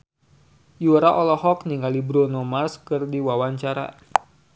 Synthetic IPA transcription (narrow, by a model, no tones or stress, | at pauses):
juɾaʔɔlɔhɔkniŋɡalibɾonomarskɨrdiwawaɲt͡ʃaɾa̰